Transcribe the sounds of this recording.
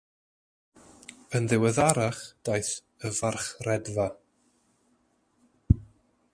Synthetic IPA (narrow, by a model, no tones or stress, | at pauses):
ənðɪwɛðaɾaχd̥ajθ | əvarχrɛdva